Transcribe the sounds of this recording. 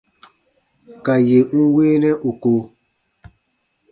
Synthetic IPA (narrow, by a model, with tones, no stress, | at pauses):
ka˨je˨ŋ̩˦weː˦nɛ̃˦ʔu˨ko˨